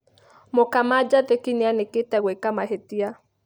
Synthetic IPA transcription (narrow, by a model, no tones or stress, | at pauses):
mokamad͡ʒaðekinianeketɛɣwekamaɦetia